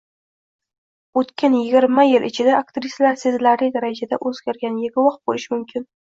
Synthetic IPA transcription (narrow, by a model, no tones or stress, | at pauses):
ot̪kʲʰanjɪɡʲɪɾmajɪlʔɪt͡ʃʰɪd̪aakt̪ɾɪsʲlaɾsezlaɾlɪd̪aɾad͡ʒad̪aʔɵzɡʲaɾɡʲanjeɡʲʊwɒq̚bolɪʃɪmʊmkʲʰɪn